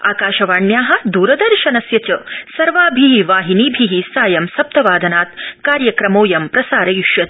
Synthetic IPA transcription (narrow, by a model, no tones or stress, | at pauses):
aːkaːʃɐʋaːɳjaːɦɐ̆d̪uːɾɐd̪ɐɾʃɐnɐsjɐt͡ʃɐsɐɾʋaːbʱiɦiʋaːɦiniːbʱiɦisaːjɐmsɐp̚t̪ɐʋaːd̪ʱɐnaːt̪kaːɾjɐkɾɐmoːjɐmpɾɐsaːɾɐjuʃjɐt̪̚